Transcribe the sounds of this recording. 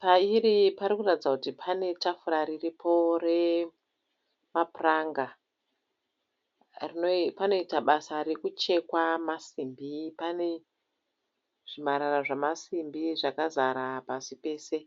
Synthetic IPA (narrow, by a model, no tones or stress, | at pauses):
paiɾipaɾikuratid͡zakutipʰane̞tafuɾaɾiripʰo̞re̞ | mapuraŋɡa | rinopano̞itaɓasaɾekut͡ʃe̞kwamasimbipane̞ | ʐ̥imaɾaraʐamasimbiʐakazaɾapasipe̞ːse̞